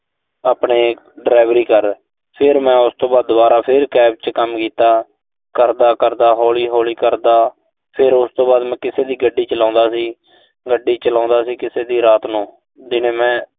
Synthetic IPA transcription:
aːpɳeː | ɖɾaːɪʋɾiːkəɾ | pʰɪɾmɛ̃ːʊst̪õːbaːd̪ːʊbaːɾaːpʰɪɾkɛːp̚t͡ʃkəmkiːt̪aː | kəɾd̪aːkəɾd̪aːɦoːliːɦoːliːkəɾd̪aː | pʰɪɾʊst̪õːbaːd̪mɛ̃ːkɪseːd̪iːɡəɖːiːt͡ʃəlãːnd̪aːsiː | ɡəɖːiːt͡ʃəlãːnd̪aːsiːkɪseːd̪iːɾaːt̪nũː | d͡ʒ̪ɪnẽːmɛ̃ː

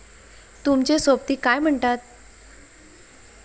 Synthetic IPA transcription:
t̪umt͡ɕesop̚t̪iːkajm̤əɳt̪at̪̚

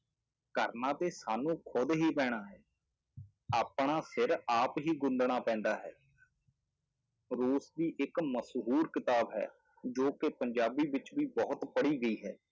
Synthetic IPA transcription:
kəɾnãːt̪eːsaːnũːkʰʊd̪ɦiːpɛːɽ̃aːɦɛː | aːpɳ̃aːsɪɾaːpɦiːɡʊnd̪ɳ̃aːpɛ̃ːnd̪aːɦɛ̰ː | ɾoːsd̪iːʔɪkməsɦuːɾkɪt̪aːbɦɛ̰ː | d͡ʒoːkepəɲd͡ʒaːbiːʋɪt͡ʃʋiːbɔːt̪pəɽiːɡəiːɦɛː

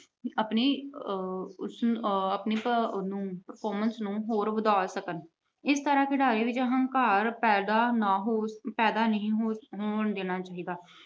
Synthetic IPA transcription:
əpneː | ʊsəpneːnũːpəɾpʰɔːɾmənsnũːɦoːɾʋəd̪aːlsəkən | ɪst̪əɾãːkɪɽaːɾiːʋɪt͡ʃəɦə̃ŋkaːɾpɛːd̪aːnaːɦoːpɛːd̪aːnəɦĩːɦɦoːɳd̪eːnaːt͡ʃaːɦiːd̪aː

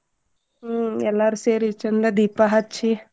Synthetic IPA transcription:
ɛlːaɾuseːɾit͡ʃɐnd̪ɐd̪iːpaɦɐtːt͡ʃʃʰi

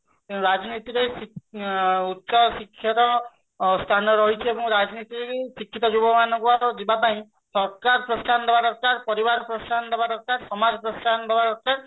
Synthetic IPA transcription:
ɾad͡ʒɔnit̪iɾejsi | utːʃɔsikʰːjɔɾɔ | st̪ʰanɔɾɔɦit͡ʃʰiebɔ̃ŋɾad͡ʒnit̪iɾeisikʰːit̪ɔd͡ʒubɔmanɔ̃ŋkuaɾɔdibapaĩ | sɔɾkaɾpɾɔst̪ʰand̪ebadɔɾkaɾpɔɾibaɾɔpɾɔst̪ʰand̪ebadɔɾkaɾsɔmad͡ʒɔpɾɔst̪ʰanɔd̪ebaɾɔɾkaɾ

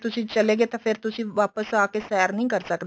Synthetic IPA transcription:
t̪ʊsĩːt͡ʃəleːɡeːt̪ãpʰɪɾt̪ʊsĩːʋaːpəsaːkeːsɛːɾnəĩːkəɾsəkd̪

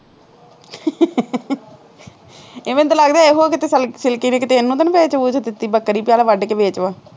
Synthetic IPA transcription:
eːʋẽnt̪ːləɡd̪aːeːɦoːkɪt̪eːsəlsɪlkiːneːkɪt̪eːɪnːũːt̪ənːbeːt͡ʃʋuːd͡ʒot̪ɪt̪ːiːbəkːɾiːpjaːlaːʋəɖkeːbeːt͡ʃʋaː

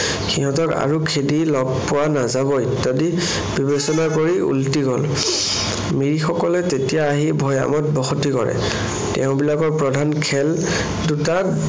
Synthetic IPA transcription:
xiɦɔ̃tɔka̰ɹukʰedilɔɡ̚pɔwanazabɔitadi | bibesɔnakoɹiṵltiɡɔl | miɹixɔkɔlɛtetijaːɦibʱɔja̰mɔt̚bɔxotikɔɹɛ̰ | tɛ̰ʊ̃bilakɔɹpɹɔdʱankʰɛl | duta

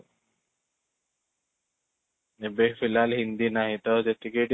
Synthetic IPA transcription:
ebefilalɦind̪iːnaɦit̪ɔd͡ʑet̪ikeʈ

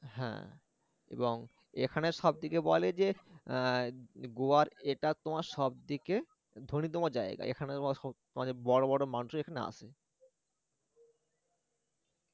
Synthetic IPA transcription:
ɦɛ̰̃ | ḛboŋ | ekʰaneʃɔb̚d̪ikebɔled͡ʑe | ɡoaɾeʈat̪omaɾʃɔb̚d̪ike | d̪ʱonit̪̬omod͡ʑaḛɡa̰ʔḛkʰanet̪oaʃɔt̪omad͡ʑebɔɽobɔɽomanuʃekʰanea̰t͡ɕʰe

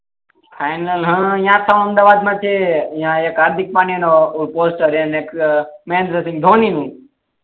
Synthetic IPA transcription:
fʰajnəlɦə̃ːĩjãːt̪ʰãəmd̪aːʋaːd̪mãːt͡ʃʰeɪ̃jãːeːkaːɾd̪ʱɪk̚paːnenopoːsʈəɾãneːkmẽːnd̪ɾəsɪ̃ŋɡ̚d̪ʱoːniːnũː

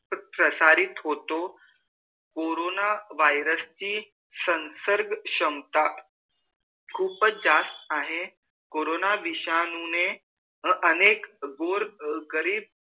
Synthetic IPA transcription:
pɾəsaɾit̪ɦot̪o | koɾonaʋajɾəst͡ɕiː | sənsəɾɡɕəmt̪a | kʰuːpd͡ʑast̪aɦe | koɾonaʋiɕanune | ənekɡoɾɡəɾiːb̚

